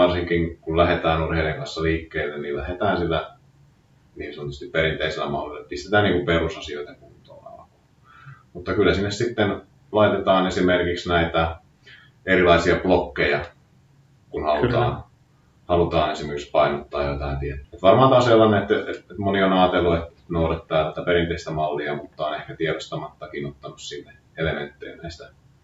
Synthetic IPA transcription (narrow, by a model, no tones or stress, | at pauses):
ɑrsiŋkiŋkullæhet̪æːnurheileŋkɑnsːɑliːkːeːlːennillæhet̪æːnsilːæ | niːsɑnot̪ːust̪ipperint̪eiselːæ̰mɑ̰hlolːet̪̚pist̪et̪æːniːŋkumperusɑsioit̪ɑkunt̪o̰nɑ̰lko | mut̪ːɑkylːæsinːessit̪ːen | lɑit̪et̪ɑːnesimerkiksnæit̪æ | erilɑisiɑplokːejɑ | kunhɑlut̪ɑ̰ːn | hɑlut̪ɑːnesimerkikspɑinot̪ːɑːjjot̪ɑint̪iet̪ːut̪ʋɑrmɑːt̪ɑoselːɑneet̪ːeet̪monionɑːt̪elːuet̪et̪nourɑt̪ːɑːt̪æt̪æperint̪eist̪æmɑlːiɑmut̪ːɑonehkæt̪iɛɾost̪ɑmɑt̪ːɑkinot̪ːɑnussinːe | elemḛnt̪ːḛjːnæist̪æ